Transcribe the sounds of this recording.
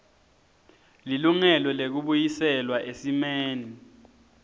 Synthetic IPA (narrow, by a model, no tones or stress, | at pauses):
liluŋɛlɔlek̬uɓujisɛlwaʔesimeːni